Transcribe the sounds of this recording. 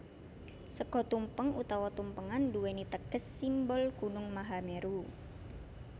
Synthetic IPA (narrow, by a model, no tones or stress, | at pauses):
səɡɔ̤t̪umpəŋut̪ɔwɔt̪umpəŋanduwenit̪əɡ̥əsːimbɔlɡ̥unʊŋmaɦameɾu